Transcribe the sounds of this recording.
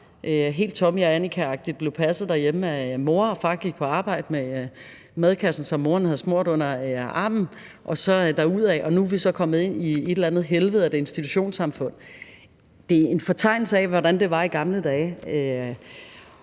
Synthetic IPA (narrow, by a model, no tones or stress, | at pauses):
ʔøɦe̝̰ːld̥̚t͡sʰɒ̽miɒænikʰæɑ̈ɡ̥̚d̥iðd̥̚b̥le̝ʊpʰæsð̞̩ˠd̥æɐjeməæmo̝ːɐɒ̽fɑ̈ːɡ̥iɡ̥̚pʰɒ̽ɑ̈ːb̥ɑ̈ɪ̰d̥əme | mæð̞ˠkʰæsn̩sɒ̽mːo̝ːɐnhæð̞̩ˠsmoɐ̰d̥ɔ̽n̰ɐɑ̈ːmn̩ | ʔɒ̽sɒ̽d̥ɑ̈uð̞̰ˠɛʔɒ̽nuʋisɒ̽kʰɒ̽mð̩ˠe̝n̰ie̝d̥lænð̩ˠɦelʋəð̞̩ˠæd̥e̝e̝nsd̥it͡sʰuɕo̝̰ːnsɑ̈mfɔ̽n̰ | d̥e̝e̝nfɒ̽t͡sʰɑ̈ɪ̰nl̩səɛʋɒɾænd̥e̝ʋɑ̈iɡ̥ɑ̈mləd̥ɛːø